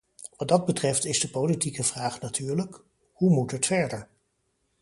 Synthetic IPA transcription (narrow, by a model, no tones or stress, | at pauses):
ʋɑt̚dɑd̚bətrɛftɪzdəpolitikəvraːχnatʰyːɹlək | humutətfɛɹdəɹ